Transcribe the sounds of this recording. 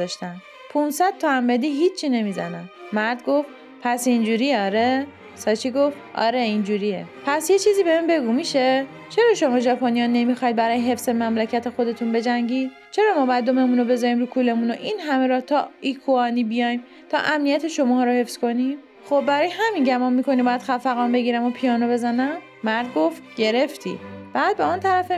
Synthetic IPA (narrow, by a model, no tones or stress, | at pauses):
zɒʃt̪æn | pʰunsæd̪̥̚t̪ʰɒæmbed̪iːɦit͡ʃːʰt͡ʃːine̞miːzæ̰nænmæɾd̪ɡo̞ft̪ | pʰæsind͡ʒuːɾijeɒːɾe | sɒːt͡ʃʰiɡo̞ft̪ʔɒ̰ːɾeind͡ʒuːɾijepʰæsje̞t͡ʃʰiːziːbemembe̞ɡuːmiʃe | t͡ʃʰe̞ɾɒːʃo̞mɒːʒɒpʰonijɒnːe̞mixɒjd̪̚bæɾɒːjeɦe̞fsemæmlecʰæt̪ʰe̞xo̞d̪e̞t̪ʰunbe̞d͡ʒæŋɟiːd̪̥̚ | t͡ʃʰe̞ɾɒːmɒːbjæd̪ːome̞muːnobe̞zɒːɾiːmɾuːkʰuːle̞munoʔinɦæme̞ɾɒt̪ʰɒːikʰuɒːniːbijɒjm | t̪ʰɒ̰ːʔæmnijæt̪ʰe̞ʃo̞mɒːɦːɾohe̞fsko̞nim | xobbæɾɒːjeɦæminɟæmɒnmikʰo̞niːbɒːjæd̪xæfæɣɒːnbe̞ɡiːɾæmopʰijɒːnobe̞zænæmːæɾd̪̚ɡo̞ft̪ɟe̞ɾe̞ft̪ʰḭːb̥æːd̪̚beunt̪ʰæɾæfe